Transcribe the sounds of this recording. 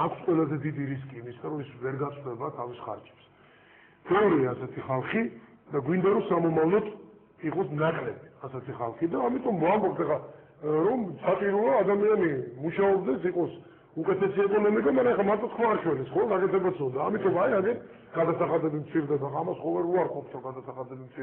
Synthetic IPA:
akʰsqʼwɛlˠazɛd̪id̪iɾis̬kʼiːmist̪ʰaɾɔisvɛɾɡat̪sʼχd̪ɛbat̪ʰavisχa̰ɾd͡ʒʰʼɛ̥ps | b̥ɛɔɾiaːsɛt̪ʰiχalˠχi | d̪aɡwind̪aɾɔsamɔmavlɔt̪ʰ | iqʼɔsnakʼlɛbiasɛt̪ʰiχalˠχid̪aːmit̪ʼɔmambɔp̚t̪ʰɛχa | ɾɔmsat͡ʃʼiɾulˠɔad̪amianimuʃaɔbd̪ɛsiqʼɔs | ukʼɛt̪ʰɛsiɛkʼɔnɔmikʼamaɾɛɛχamaɾt̪ʰʼɔt̪kʰvaːɾt͡ʃʰwɛlisχɔɡakʼɛt̪ʰɛbat̪sɔnd̪aːmit̪ʼɔmaiaɡɛn | ɡ̥ad̪asaχad̪ɛbimt̪sʰiɾd̪ɛbaamasχɔvɛɾuaɾkʼɔp̚t̪ʰɾɔɡad̪asaχad̪ɛbimt̪sʰi

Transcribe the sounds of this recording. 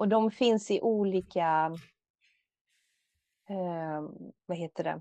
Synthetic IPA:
ɔd̪ɔmfɪnsɪʔuːliːka | vaɦeːt̪əɖɛ̰

